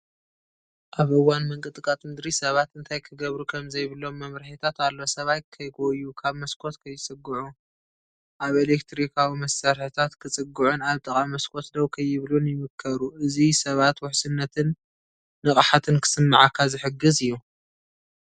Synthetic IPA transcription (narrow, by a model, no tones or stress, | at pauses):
ʔaβɨwːanmɐŋkʼɨt̪ʼɨkʼat̪ʼmɨd̪ɾisɐβat̪ɨnt̪ʰajkʰɨɡɐβɾukʰɐmzɐjβɨlo̞mːɐmɾħit̪ʰat̪alːo̞sɐβajkʰɐjɡojːukʰaβmɐskʰo̞t̪kʰɐjːɪt͡sʼɨɡːɨʕu | ʔaβelekt̪ʰɾikʰawimɐsːɐɾħɨt̪ʰat̪kʰɨt͡sʼɨɡuʕunaβt̪ʼɐkʼamɐskʰo̞t̪d̪ɐwkʰɐjɪβlunjɪmɨkʰːɐɾuʔɨzisɐβat̪wʊħsɨnːɐt̪ʰɨnː | ɨχʼħat̪ʰɨnkʰɨ̥sɨmːaʕakʰːazɨħɨɡːɨzɨjːu